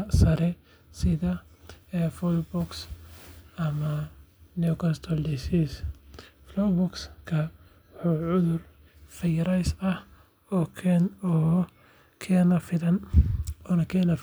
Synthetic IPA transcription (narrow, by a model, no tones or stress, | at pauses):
sɐɾɛ | sɪðɐɛːfulbʊks | ɐmɐnjʊkʰɔnst̪ʰɔld̪isisflɔbʊkskʰɐ | wħuːʕʊðʊr | fɐjɾɐjsɐh | ɔːkʰɛnɔː | kʰɛːnɐfɪðɐnɔːnɐkʰɛːnɐ